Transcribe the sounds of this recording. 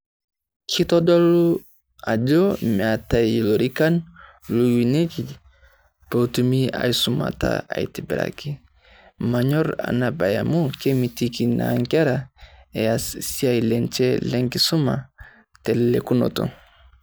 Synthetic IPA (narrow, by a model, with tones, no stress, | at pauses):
kʰi˦tɔ˦dɔ˦lu˦ | a˨d͡ʒɔ˦mɛ˨a˨ta˨lo˨ɾi˦ka˦n | lu˨wi˨ne˦ki˨ | po˨tu˨mi˦a̰˨i˦su˨ma̰˨ta̰a˨i˨ti˨bɛ˨ɾa̰˨ki˦ | ma˨ɲɔ˦ɾa̰˨na˨ba˨ja̰˨mu˦ke˦mi˨ti˦ki˨na̰˨ŋɡɛ˦ɾa˨ɛ˨a˨si˦a˨i˨lɛ˨nt͡ʃɛ˦lɛ˦ŋki˨su˦ma̰˨ | tɛ˨llɛ˨ku˦no̰˨to̰˨